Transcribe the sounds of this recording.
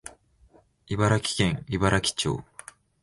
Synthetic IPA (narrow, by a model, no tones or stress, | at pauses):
ibaɾakʲi̥kẽ̞ŋibaɾakʲi̥t͡ɕo̰ː